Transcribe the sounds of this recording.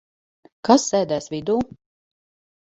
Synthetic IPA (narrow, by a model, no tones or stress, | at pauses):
kasːɛːd̪æːsvid̪uː